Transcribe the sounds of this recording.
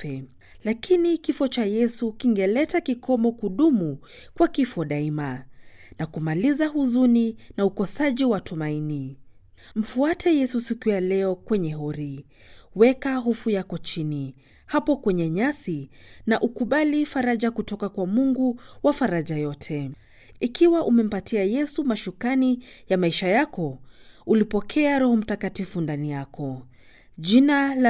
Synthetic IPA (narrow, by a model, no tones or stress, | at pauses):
ɛ | lakinikifɔt͡ʃajɛsukiŋɡɛlɛtakikʰɔmɔkuɗumu | kwakifɔɗaimanakumalizaɦuzuninaukɔsaʄiwatumaini | m̩fuatʰɛjɛsusikujalɛɔkwɛɲɛɦɔɾi | wɛkaɦufujakɔt͡ʃini | hapɔkwɛɲɛɲasinaʔukuɓalifaɾaʄakutɔkakwamuŋɡuwafaɾaʄajɔtʰɛ | ikiwaʔumɛm̩patʰiajɛsumaʃukanijamaiʃajakɔulipɔkʰɛaɾɔhɔm̩takatifundanijakʰɔ | ʄinala